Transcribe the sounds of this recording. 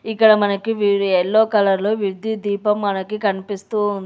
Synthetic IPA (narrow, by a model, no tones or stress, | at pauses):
ikːɐɽɐmɐnɐkiʋiːɾuɛlːoːkɐlɐɾlo̞ːʋiɾd̪id̪iːpɐmːɐnɐkikɐnipist̪uːund̪i